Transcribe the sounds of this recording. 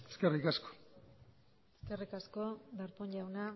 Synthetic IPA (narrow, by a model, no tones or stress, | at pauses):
eskerikasko̥ | eske̞rikasko̞d̪aɾpoɲʎawna